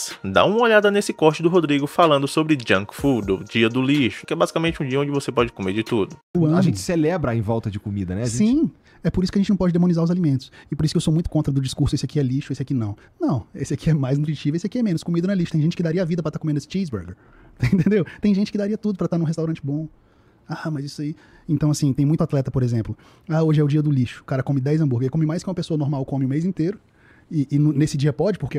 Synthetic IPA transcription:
d̪a̰ũmɐoʎad̪ɐnesɪkɔɾt͡ʃɪd̪ʊɦod̪ɾiɡʊfalɐ̃nd̪ʊsobɾɪd͡ʒɐ̃ŋkfud̪ʊ̰d͡ʒiɐd̪ʊliʃʊ̥kɪɛbazikamẽt͡ʃɪũd͡ʒiɐõd͡ʒɪvosepɔd͡ʒɪkomeɾd͡ʒɪt̪ud̪ʊʊɐ̃aʒʒẽt͡ʃɪ̥selɛbɾɐẽj̃vɔwˠt̪ɐd͡ʒɪkomid̪ɐnɛaʒ̃sĩ | ɛpoɾisʊkɪɐʒẽt͡ʃɪnɐ̃pɔd͡ʒɪd̪emõnizaɾʊzalimẽnt̪ʊ̥sɪpoɾisʊ̥kɪewsomũj̃t̪ʊ̥kõnt̪ɾɐd̪ʊd͡ʒiskuɾsʊesɪakiɛliʃʊesɪakinɐ̃w̃ | nɐ̃w̃esɪakiɛmajzĩt̪ɾit͡ʃivʊesɪakiɛmẽnʊskomid̪ɐñɛliʃʊt̪ẽʒẽt͡ʃɪ̥kɪd̪aɾiɐavid̪ɐpɾɐt̪aɾkomẽnd̪esɪt͡ʃizbḛɾɡḛɾ | t̪ẽt̪ẽnd̪ewt̪ẽj̃ʒẽnt͡ʃɪ̥kɪd̪aɾiɐt̪ud̪ʊpɾɐt̪aɾnũɦest̪awɾɐ̃nt͡ʃɪbõ | amɐzisai | ẽnt̪ɐ̃w̃asĩt̪ẽj̃mũj̃t̪ʊat̪lɛt̪ɐpoɾezẽmplʊ | aoʒɪɛʊd͡ʒiɐd̪ʊliʃʊ̥kaɾɐkõmɪd̪ajzɐ̃buɾɡɐekõmɪmajskɪũmɐpesoɐnoɾmawkõmɪũmejzĩnt̪eɾʊ | ɪʔːnnesɪd͡ʒiɐpɔd͡ʒɪpoɾke

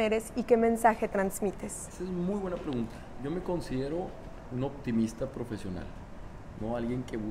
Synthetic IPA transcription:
eɾesike̞mẽ̞nsaxe̞t̪ɾanzmit̪e̞s | sezmujβwe̞napɾeɣunt̪ḁʝo̞me̞ko̞nsiðe̞ɾo̞ | uno̞pt̪imist̪apɾo̞fe̞sjo̞na̰l | noalɣje̞ŋke̞βu

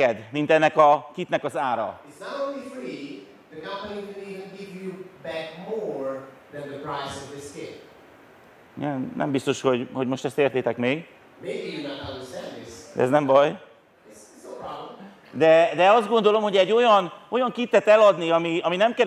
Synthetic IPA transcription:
ɛd̪mint̪ɛnːɛkɒkit̪nɛkɒzaːɾɒ̰ɪtsnəɾõʊ̃nlifɹi | ðɨkʰʌ̃mpəniwɨniɨɡɪvjubæk̚moɹ | ðɛ̃nðɨpʰɹ̥aɪsʌvðɪskɪ̃p̚ | nɛmnɛ̰mbist̪o̞ʃho̞ɟho̞ɟmo̞ʃt̪ɛst̪eːrt̪eːt̪ɛkmeːɡ | meɪbijɨnəɾʌ̃ndə˞stæ̃nd̪ðɪsd̪ɛ̰ɛ̰znɛmbɒj | ɪsɪtsəpʰɹ̥ɑblə̃m | d̪ɛd̪ɛɒzd̪ɡo̞nd̪o̞lo̞mho̞ɟɛɟːo̞jɒno̞jɒŋkit̪ːɛt̪ɛlɒd̪niɒmiɒminɛmkɛ

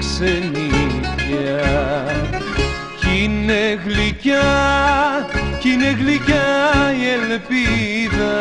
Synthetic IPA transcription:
seni | a | cineɣlica | cineɣlicajelpiðɐ

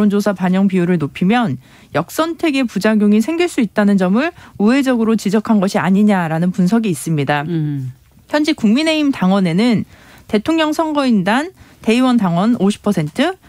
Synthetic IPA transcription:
ond͡ʑosʰapaɲʌŋpijuɾɯɭnopʰimjʌn | jʌk̚s͈ʌntʰe̞ɡe̞pud͡ʑaɡjoŋisʰe̞ŋɡiɭs͈uit̚t͈anɯnd͡ʑʌmɯɭuɦe̞d͡ʑʌɡɯɾot͡ɕid͡ʑʌkʰanɡʌɕʰiaɲiɲaɾanɯnpunsʰʌɡiːs͈ɯmɲida | çjʌnd͡ʑikuŋmine̞imtaŋwʌne̞nɯnte̞tʰoŋɲʌŋsʰʌŋɡʌindante̞iwʌntaŋwʌnoɕʰi̥pʰʌsʰe̞ntʰɯ

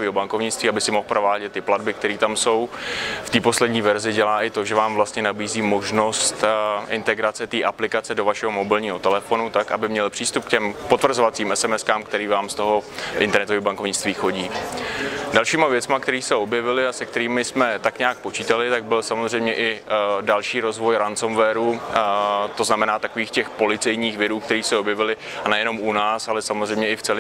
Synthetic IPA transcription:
oviːɦobaŋkovɲɪt͡st̪viːabɪsɪmoxpɾʔo̞vaːɟɛt̪ːɪpladbɪk̚t̪ɛɾiːt̪amso̞wft̪iːpo̞slɛdɲiːvɛɾzɪɟɛlaːʔɪt̪o̞ʒɛvaːmvlast̪ɲɛnabiːziːmo̞ʒno̞st̪ʔɪnt̪ɛɡɾat͡sɛt̪iːʔaplɪkat͡sɛdo̞vaʃɛɦo̞mo̞bɪlɲiːɦo̞t̪ɛlɛfo̞nut̪akʔa̰bɪmɲɛlpr̝̥iːst̪up̚kcɛmpo̞t̪vr̩zovat͡siːmʔɛsɛmɛskaːmkt̪ɛɾiːvaːmst̪o̞ɦo̞ʔɪ̰nt̪ɛɾnɛt̪oviːbaŋko̞vɲɪt͡st̪viːxo̞ɟiː | dalʃiːmavjɛt͡smakt̪ɛɾiːsɛo̞bjɛvɪlɪasɛk̚t̪ɛɾiːmɪsmɛt̪akɲaak̚po̞t͡ʃiːt̪alɪt̪aɡ̚bɪlsamozr̝ɛjmɲɛʔɪdalʃiːɾo̞zvo̞jɾansomvɛːɾu | t̪o̞znamɛnaːt̪akoviːxcɛxpo̞lɪt͡sɛjɲiːxvɛɾuːkt̪ɛɾiːsɛo̞bjɛvɪlɪ | anɛjɛno̞munaːsalɛsamozrɛjmɲɛʔɪft͡sɛl

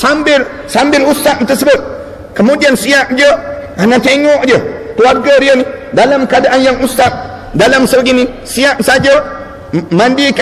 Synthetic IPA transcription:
sambɪl | sambɪlusaʔnt̪əsəbʊt̪̚ | kəmudiansiaʔd͡ʒə | anat̪eŋɔʔd͡ʒət̪uaɡəɾijənidalamkadaʔanjaŋusaʔ | dalamsəɡini | siaʔsad͡ʒə | mandik

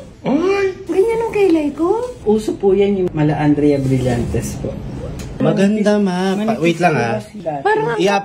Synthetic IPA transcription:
ʔaɡɐɲanʊŋkɐjlɐjkoʔuːsopujanjʊŋmɐlɐʔɐnd̪ɾɛjɐbɾɪlant̪ɛspoʔmɐɡɐnd̪amaɐwɛjt̪lɐŋha | paɾɐja

